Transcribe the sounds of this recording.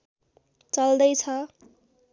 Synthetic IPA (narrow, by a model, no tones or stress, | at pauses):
t͡sʌld̪ʌjt͡sʰʌ